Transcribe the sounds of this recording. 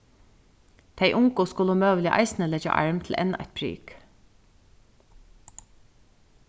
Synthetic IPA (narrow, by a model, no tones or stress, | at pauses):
d̪̥ʰeɪʔʊŋkəskʊləʊmøːʋəlɪjə̰ʔɑ̰ɪsnəlɛd͡ʒɑ̰ʔɑ̰ɹmt̪ʰl̩ʔɛ̰nːɑ̰ʔæ̰t̪̚pʰɾy̰ːk